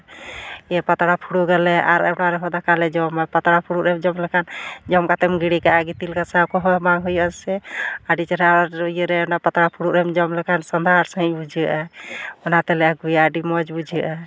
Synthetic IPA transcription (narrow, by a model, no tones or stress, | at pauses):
ɛpat̪ɽapʰuɽuɡɛlɛa̰ɾɛnaɾɛɦɔd̪akalɛd͡ʒɔmapat̪ɽapʰuɽuɾɛmd͡ʒɔmlɛkʰand͡ʒɔmkat̪ɛmɡiɽikaaɡit̪ilkasakɔɦɔbaŋɦujɔsɛaɖit͡ʃəɾaɾojəɾɛnapət̪ɽapʰuɽuɾɛmd͡ʒɔmlɛkansɔnd̪ʱaɾsə̃ĩbud͡ʒiʔaɔnat̪ɛlɛaɡujaaɖimɔd͡ʒbud͡ʒʱiʔa